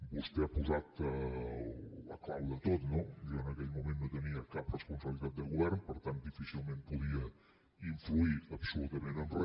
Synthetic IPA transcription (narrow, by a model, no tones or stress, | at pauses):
bust̪eəpuzat̪ | ə̰klawðət̪ot̪nɔuənəkɛʎmumẽnd̪ət̪əniəkaprəspunsəβlit̪at̪̚d̪əlˠɡuβɛɾnpəɾt̪and̪ifisilˠment̪puðiə | iɱfluiəpsulut̪əmẽnənr